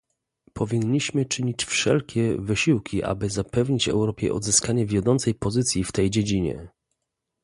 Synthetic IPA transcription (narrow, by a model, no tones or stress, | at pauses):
pʰɔvʲiɲːiɕmɘt͡ʂɘɲit͡ɕfʂɛ̰lkʲɛvɘɕiwkʲiʔa̰bɘzapɛvɲit͡ɕvɛ̰wɾɔpʲjɛ̰ʔɔ̰d̪zɘskaɲɛvʲjɔd̪ɔnt̪sɛjpɔzɘt̪sʲjift̪ɛjd͡ʑed͡ʑiɲɛ̰